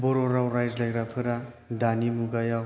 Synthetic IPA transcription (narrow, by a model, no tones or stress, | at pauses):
bɔɾoɾawɾajd͡ʒlajɾapʰɯɾa | danimuɡajaw